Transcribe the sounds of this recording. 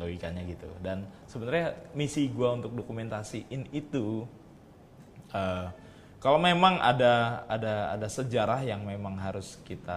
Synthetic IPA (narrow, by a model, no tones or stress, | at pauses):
loikanɲaɡit̪ṵdansəbənarɲamisiɡuaunt̪ʊk̚dokument̪asiʔɪnit̪u | ə | kalomemaŋʔa̰daada̰ːdasəd͡ʒaɾahjaŋmemaŋɦaɾʊskit̪a